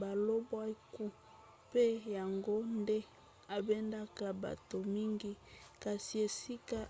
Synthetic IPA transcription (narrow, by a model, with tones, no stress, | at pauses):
ba˨lo˦bwa˦i˦ku˦ | pe˦ja˨ŋɡo˦nde˦ | a˨be˦nda˦ka˨ba̰˨to˨mi˦ŋɡi˦ka˨si˨e˨si˦ka˦